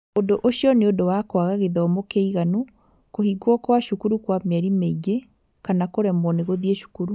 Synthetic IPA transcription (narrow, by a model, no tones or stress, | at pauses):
odoʔoʃjɔneodowakwaɣaɣeðaomokeiɣanu | kohiɡwɔkwaʃukuɾukwamɛɾimeiɡe | kanakoɾɛmɔneɣoðieʃu̥kuɾu